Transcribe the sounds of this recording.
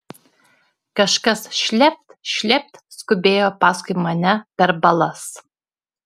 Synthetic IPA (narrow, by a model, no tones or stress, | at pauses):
kɐʃkɐsʃʲlʲɛp̚ʲt̪ʲʃʲlʲɛp̚ʲt̪ʲskʊbʲeːjoːpɑːskʊjmɐnʲɛpʲɛɾbɐlˠɐs